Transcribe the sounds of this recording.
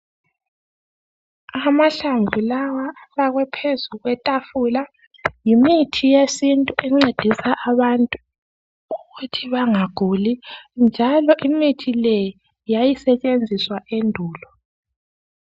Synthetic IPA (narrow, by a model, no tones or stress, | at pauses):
amaɬaɱvʱulawaβaɣwɛpʰezuɣwɛtʼafula | jimitʰijesintʼuʔɛŋ͡ǀed̥ʱisaʔaβantʼu | uɣutʰiβaŋaɡ̥ʱulind͡ʒʱalɔʔimitʰilɛj | jajisɛt͡ʃʼend͡zʱiswaʔendʱuːlɔ